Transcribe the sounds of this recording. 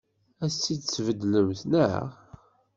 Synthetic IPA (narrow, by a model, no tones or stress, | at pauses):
æsːid̪svəd̪ləmθnə̰ʁ